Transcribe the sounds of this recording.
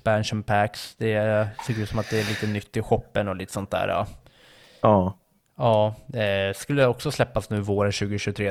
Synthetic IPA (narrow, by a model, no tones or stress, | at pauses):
bænɕɔnpʰæksd̪̥ɛsɪkɾʉt̪sɔmat̪̚d̪ɛæɭiːt̪ənʏt̪ːɪɧɔpːənɔliːt̪ə̥sɔnt̪̚d̪æ̰ːɾɖɑ̰ | ɑː | ɑː | skɵlːəɛɔksɔslɛpːasnʉ̟ːvoːɾənɕʉ̟ːɡəɕʉt̪ʰɾeː